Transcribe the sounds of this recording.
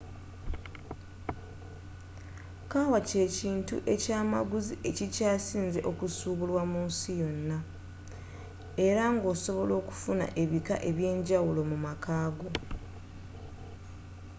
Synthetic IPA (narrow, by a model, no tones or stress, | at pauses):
kawace̞ciːntṵʔe̞caːma̰ɡuziʔe̞cicaːsiːnze̞̰ʔo̞kusuːβulwamuːnsijo̞nːa | e̞ɾaŋɡo̞ːso̞βo̞lo̞ːku̥funa̰ʔe̞βika̰ʔe̞βje̞ːɲɟawulo̞mumakaːɡo̞